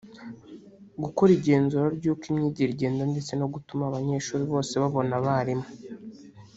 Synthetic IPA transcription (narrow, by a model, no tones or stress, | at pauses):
ɡukoɾiɾɟe̞ːnzuːɾaɾɟuːkimɲiːɟiɾɟeːndonde̞t͡se̞no̞ɡutumaːβaɲe̞ːʃuːɾiβo̞ːse̞βaβo̞naβaɾimo